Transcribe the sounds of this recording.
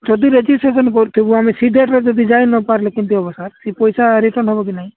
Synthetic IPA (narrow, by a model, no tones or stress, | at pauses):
d͡ʒɔd̪iɾed͡ʒisʈɾesɔnkɔɾt̪ʰibuamisid̪ʱeʈɾed͡ʒɔd̪id͡ʒajnɔpaɾlekint̪iɔbɔsaɾsipɔjsaɾiʈɔɾnɦɔbɔkinaɦĩ